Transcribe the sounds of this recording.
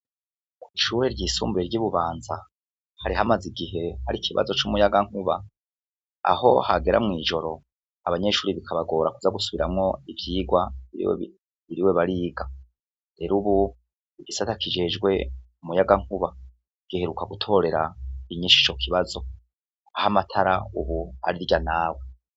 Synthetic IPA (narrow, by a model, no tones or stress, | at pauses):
kwiːʃuːɾe̞ɾɟiːsṵːmbeɾɟiβuβaːnza | haɾiɦamaziɡiɦe̞haɾikʰiβa̰zo̞t͡ʃumujaɡaŋ̥huβa̰ | a̰ho̞̰haɡe̞ɾa̰mŋiːʒo̞ɾo̞ | aβaɲe̞ʃuːɾiβikʰaβaɡo̞ːɾakuzaɡusuβiɾamŋo̞ivjiːɡwaiḭwḛ | iɾiwe̞βaɾiːɡa | ɾe̞ɾuβu | iɡisatakid͡ʒe̞ːd͡ʒɡwe̞ | umujaɡaŋ̥huβa | ɡ̥iheɾukaɡutʰo̞ɾe̞ɾaiɲiːʃit͡ʃo̞kʰiβazo̞ | ahamatʰaɾauβua̰ɾiɾɟanaːwe